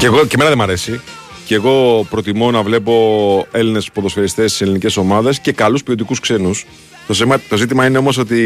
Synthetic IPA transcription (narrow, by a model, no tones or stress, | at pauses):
ceɣoceme̞nɐðemɐɾe̞si | ceɣo̞pɾo̞t̪imo̞nɐvle̞po̞e̞line̞spoðo̞sfeɾist̪e̞st̪i̥se̞linice̞so̞mɐðe̞sce̞kɐluspio̞t̪ikuskse̞nus | t̪o̞semɐt̪o̞zit̪imɐine̞o̞mo̞s̬o̞t̪i